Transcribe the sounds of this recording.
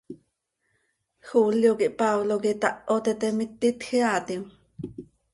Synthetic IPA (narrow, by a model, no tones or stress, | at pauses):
xuːljokiʔpɑwlokit̪ɑʔot̪ɛt̪ɛmit̪ːit̪xiɑːt̪im